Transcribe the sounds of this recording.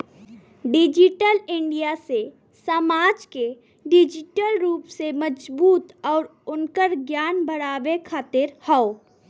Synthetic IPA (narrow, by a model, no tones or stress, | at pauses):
ɖɪd͡ʒɪʈəlɪ̃ɳɖijase | səmaːd͡ʒke | ɖɪd͡ʒɪʈəlɾuːpseməd͡ʒbuːt̪ɔːɾʊnkəɾɡjaːnbəɽaːbekʰaːt̪ɪɾhɛo